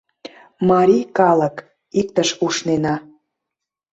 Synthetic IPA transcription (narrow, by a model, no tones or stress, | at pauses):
mɑɾʲikɑlə̆k | ik̚t̪əʃuʃnenɑ